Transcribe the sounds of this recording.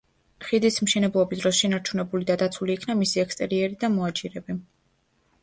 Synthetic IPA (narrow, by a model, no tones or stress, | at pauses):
χid̪ismʃɛnɛblˠɔbisd̪ɾɔsʃɛnaɾt͡ʃʰunɛbulid̪ad̪at̪sʰuliːkʰnamisiɛkst̪ʼɛɾiɛɾid̪amɔat͡ʃʼiɾɛbi